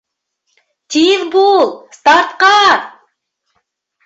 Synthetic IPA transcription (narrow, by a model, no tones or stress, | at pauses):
t̪ʲiðbulˠst̪ɑɾt̪qɑ